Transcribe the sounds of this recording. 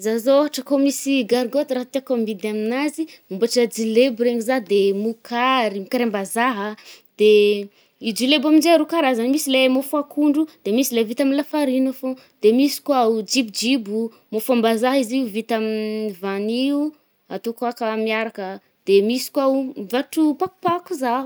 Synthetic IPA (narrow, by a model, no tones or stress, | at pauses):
zazoɦaʈ͡ʂəkomisiɡaɾɡot̪ɾaɦat̪eakombid̪aminazimumbaʈ͡ʂəd͡ʒilebɾeɲizad̪emukaɾimikaɾembazaɦə | d̪̥e | id͡ʒilebaminzeaɾukaɾazanmisilemofuakʰuɳɖ͡ʐud̪̥emisilevit̪aminlafaɾinafo | d̪̥emisi̥kwaud͡ʒibd͡ʒibu | mofambazaɦiziuvit̪amivaniu | at̪okakamiaɾakə | d̪̥emisi̥kwamvaʈ͡ʂupaku̥pakuzaɦ